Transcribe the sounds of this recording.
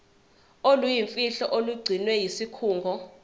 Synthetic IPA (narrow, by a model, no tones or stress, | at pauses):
olujiɱfiɬɔʔoluɡ͡ǀʱinwɛjisikʰuːŋɡʱɔ